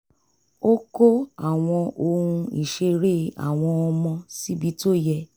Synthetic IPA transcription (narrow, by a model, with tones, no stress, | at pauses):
o˦ko˦a˨w̃ɔ̃˧o˧ɾũ˧i˨ʃe˧ɾe˦a̰˨w̃ɔ̃˧ɔ˧mɔ̃˧si˦bi˨˦to˦˨jɛ˧